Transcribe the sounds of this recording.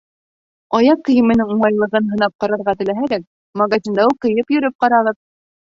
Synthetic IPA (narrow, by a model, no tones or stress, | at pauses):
ɑjɑqːɤ̆jɘ̆mɘ̆nɘŋuɴɑjlˠɤ̆ʁɤnɦɤ̆nɑp̚qɑɾɑɾʁɑt̪ɘ̆læɦæɾæk̚ | mɐɡazʲind̪ɑwqɤ̆jɤpjɵ̆ɾɘp̚qɑɾɑʁɤp̚